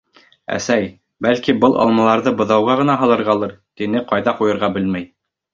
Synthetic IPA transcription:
æ̰sæj | bælkibɤlˠʔɑ̰lˠmɑlˠɑɾðɤbɤ̆ðɑwʁɑʁɤ̆nɑɦɑlˠɤ̆ɾʁɑlˠɤɾt̪inɘqɑjðɑqujɤ̆ɾʁɑbɘlmæj

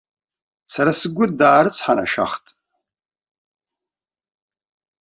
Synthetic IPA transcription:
saɾasɨɡʷʊdaːɾɨt͡sʰħana̰ʃa̰χtʼ

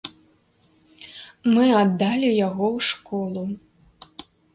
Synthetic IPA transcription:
mɨad̪ːalʲijaɣɔwʂkɔlˠu

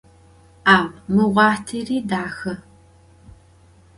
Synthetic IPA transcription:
aːwmɨʁʷɑːtʰiːriːdaːxɐ

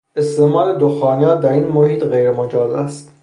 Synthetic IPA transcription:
e̞st̪emɒːɾed̪oxɒːniɒːd̪æɾiːnmohiːt̪ɣejɾemod͡ʒɒːzæst̪

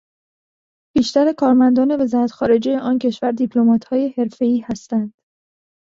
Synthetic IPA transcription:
b̥iːʃt̪æɾekʰɒːɾmænd̪ɒːne̞ve̞zɒːɾæt̪xɒːɾe̞d͡ʒe̞jeʔɒːncʰe̞ʃvæɾd̪ipʰlo̞mɒːt̪ʰhɒːje̞he̞ɾfe̞iːhæst̪ænd̪̥

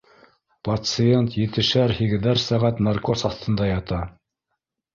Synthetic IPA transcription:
pɐt̪sɨent̪jɘ̆t̪ɘ̆ʃæɾhiɡɘ̆ðæɾsæʁæt̪nɑrko̞sɑθt̪ɤ̆nd̪ɑjɑt̪ɑ

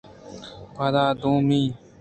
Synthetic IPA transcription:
pad̪aːd̪ũːmĩː

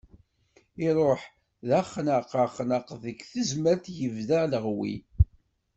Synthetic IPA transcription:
ɪɾˤoħ | ðæχnəqəχnəqðəkθəzməɾθjəvðaləʁwḭ

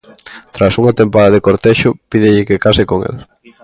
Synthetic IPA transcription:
t̪ɾasuŋat̪empaðɐðekoɾt̪eʃʊpiðɪʎɪkekasɪkoŋḛl

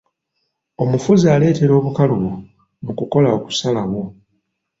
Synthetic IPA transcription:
o̞mufuziale̞ːte̞ɾo̞ːβukaluβu | mukuko̞laoku̥salaβwo̞

